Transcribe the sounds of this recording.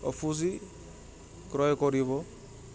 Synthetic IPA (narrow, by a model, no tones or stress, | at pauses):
ɔ̰pʰuzi | kɾɔjkɔɾibɔ